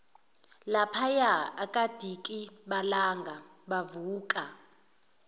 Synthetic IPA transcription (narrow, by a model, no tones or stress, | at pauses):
lapʰajaakʼad̥ʱikʼiɓalaŋɡʱaɓavuːkʼa